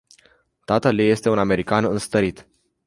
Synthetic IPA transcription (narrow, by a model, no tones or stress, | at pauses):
t̪at̪əlije̞st̪e̞uname̞ɾikanɨnst̪əɾit̪